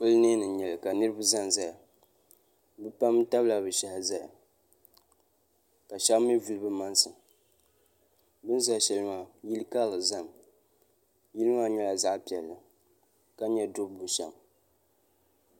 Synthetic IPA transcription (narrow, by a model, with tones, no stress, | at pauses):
pʊ˦lne˦nɨ˨ɲɛ˨lɨ˨ka˨nɨ˦ɾɨ˦bɨ˦za˦nza˦ja˨ | bɨ˦pa˦m˦ta˦bla˨bɨ˨ʃa˨ha˨za˦ja˨ | ka˨ʃa˦mi˦vu˨lɨ˦bɨ˦ma˦nsɨ˨ | bɨ˦nza˨ʃɛ˨lɨ˦ma˨ji˦lɨ˦ka˦lɨ˨za˦˨m | ji˦lɨ˦ma˦ɲɛ˦la˨za˦ʔpi˨ɛ˨lːɨ˨ | ka˦ɲɛ˦dʊ˦bbʊ˨ʃa̰˨m